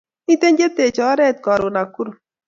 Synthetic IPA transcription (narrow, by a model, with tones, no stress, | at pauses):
i˦t̪e˦ɲd͡ʒe˦t̪e˨t͡ʃɔ˨˦ɾɛ˦˨t̪̚kɔ˨ɾo˨na˨ku˦ɾ